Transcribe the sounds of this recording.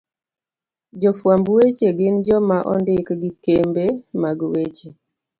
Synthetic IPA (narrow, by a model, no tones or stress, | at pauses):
d͡ʒɔfwambwet͡ʃeɡɪnd͡ʒɔmaʔɔ̰ndɪkɡɪkembemaɡwet͡ʃe